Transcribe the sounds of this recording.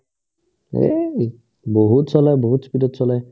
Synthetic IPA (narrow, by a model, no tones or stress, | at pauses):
ḛ | boɦutsɔlajboɦutspidɔtsɔlaj